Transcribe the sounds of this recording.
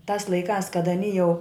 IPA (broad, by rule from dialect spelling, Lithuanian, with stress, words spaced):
tɑːs lˠɐɪˈkɑːs kɐt ɐˈnʲiː jɛʊ